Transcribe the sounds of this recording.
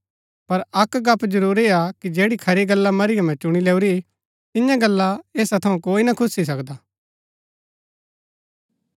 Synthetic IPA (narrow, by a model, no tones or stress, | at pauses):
pɐɾɐkɡɐpd͡ʒɐɾuːɾiakid͡ʒeːɽikʰɐɾiɡɐlːamɐɾɪjamɛ̃t͡ʃʊɽ̃ileːuɾi | t̪ɪjãɡɐlːaeːsat̪ʰɐũkoːinɐkʰʊsis̬ɐkd̪aː